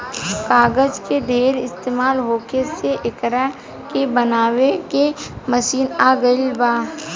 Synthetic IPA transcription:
kaːɡəd͡ʒked̪ʱeːɾɪst̪eːmaːlɦoːkeseʔɪkɾa | kebənaːwekeməʃiːnaːɡəɪlbaː

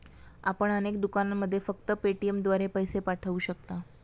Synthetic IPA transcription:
apəɳənek̚d̪ukanamːəd̪ʱːjefəkt̪əpeʈiemd̪ʋaɾepəjsepaʈʰəʋuːɕək̚t̪a

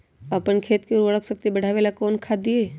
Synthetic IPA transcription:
əpənkʰeːt̪keɾuəɭəksək̚t̪ibəɽ̤ʱaːʋelakoːnkʰad̪ieː

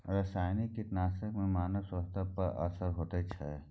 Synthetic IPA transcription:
ɾəsaːjnikit̪naːsəkmẽmaːnəsəst̪ʰapəɾʔə̰səɾɦoːt̪et͡ʃʰɛ

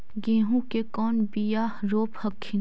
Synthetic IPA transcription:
ɡẽːɦũkekɔːnbijaːhɾoːphɐkkʰːɪ

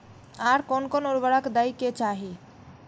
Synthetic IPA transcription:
aɾkonkonoɾbəɽakd̪aiket͡ʃaɦi

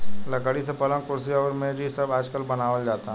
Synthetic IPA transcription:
lɐkəɽisepɐlə̃kʊɾsiaʋəɾmẽbʱisɐbaːd͡ʒkəlbɐnaːʋəld͡ʒaːt̪aɦ

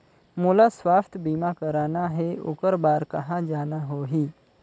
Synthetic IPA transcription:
muːlasʋaːst̪ʰəbiːmakəɾaːnaɦeʊ̰kəɾbaːɾkɐɦãd͡ʒaːnaɦoːɦiː

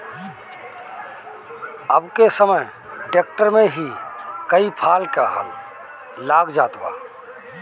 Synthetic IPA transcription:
əbkesəməj | ɖek̚ʈəɾmeɦikəipʰalkəɦə̰l | laɡd͡ʒat̪ba̰

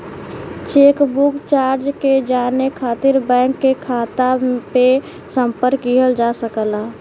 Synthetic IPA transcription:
t͡ʃeːkbukt͡ʃaːɾd͡ʒked͡ʒaːnekʰaːt̪ɪɾbɛ̃ːŋkːekʰaːt̪ape | sə̃mpəɾkːiɦəld͡ʒasəkəla

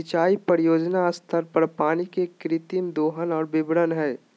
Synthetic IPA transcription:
ɪt͡ʃaːipəɾɪjoːd͡ʒnaɐst̪ʰəɾpəɾpaːnikekɾɪt̪imd̪oːɦənɔːɾbɪbɽənɦɛː

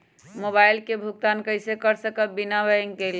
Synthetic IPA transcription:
mobajlkebʱuk̚t̪ankəɪsekəɾsəkəbinabəjəŋkel

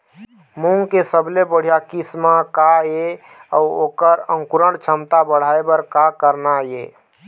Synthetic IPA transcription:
muŋkesəblebəɽ̤ijakismakae | ə̰uokəɾə̃ŋkuɾəɽt͡ʃʰəmt̪abəɽ̤aebəɾkakəɾnaje

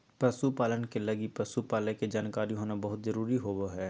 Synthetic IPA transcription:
pɾɐsupaːlənkelɐɡipɾɐsupaːleked͡ʒaːnkaːɾiɦoːnabɐɦʊt̪zɐɾuːɾiɦoːʋoɦɛː

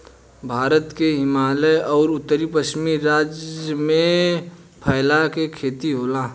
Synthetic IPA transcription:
bʱaːɾət̪keɦɪmaːləjɔːɾʊt̪ːəɾipəʃmiːɾːaːd͡ʒəmẽ | pʰəɪlakekʰeːt̪iɦoːlaː

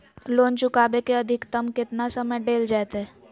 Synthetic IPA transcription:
loːnt͡ʃʊkaːbekeɐd̪ʱɪkt̪əmkɪt̪nasəməjɖeːld͡ʒaet̪ɦɛː

